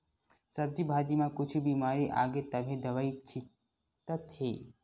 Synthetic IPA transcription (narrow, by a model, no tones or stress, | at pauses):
sɐb̚d͡ʒibʱaːd͡ʒimãkʊt͡ʃʰubiːmaːɾiʔa̰ːɡet̪ɐbʱĩd̪ɐʋait͡ʃʰɪ | t̪ət̪heː